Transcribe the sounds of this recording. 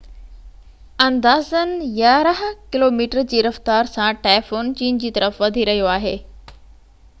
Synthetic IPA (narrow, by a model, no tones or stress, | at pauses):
ɐ̃nd̪aːzənɪ̆jaːɾəɦkɪloːmiːʈəɾd͡ʑiːɾɐft̪aːɾsãʈaːlfoːnt͡ɕiːnd͡ʑiːt̪ɐɾəfʋɐd̪ʱiɾɐɦijoaːɦeː